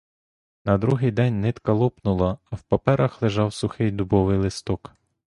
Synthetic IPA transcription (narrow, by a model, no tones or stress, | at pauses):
nɐd̪ɾuɦɪjd̪ɛnʲnɪt̪kɐlˠɔpnʊlˠɐːwpɐpɛɾɐxlˠeʒɑwsʊxɪjd̪ʊbɔʋɪjlˠɪst̪ɔk